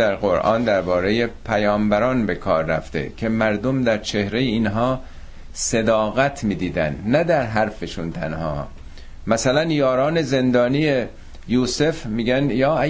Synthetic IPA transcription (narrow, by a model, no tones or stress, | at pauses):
æɾɣoɾʔɒ̰ːnd̪æɾbɒːɾe̞je̞pʰæjɒːmbæɾɒːnbe̞kʰɒːɾːæ̰ft̪ḛcʰe̞mæɾd̪o̞md̪æɾt͡ʃʰe̞hɾejeiːnɦɒː | se̞d̪ɒːɣæt̪ʰmiːd̪iːd̪æ̰nd̪næd̪æɾɦæɾfeʃunt̪ʰænhɒ̰ː | mæsælænjɒːɾɒːne̞ze̞nd̪ɒːnije | juːse̞fmiːɟænjɒːæ